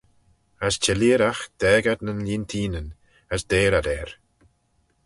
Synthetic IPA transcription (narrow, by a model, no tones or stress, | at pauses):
ast͡ʃʰɛliːɾaxd̪̥ɛːɡad̪nənliːnt̪ʰiːnən | əsd̪eːɾad̪ɛɾ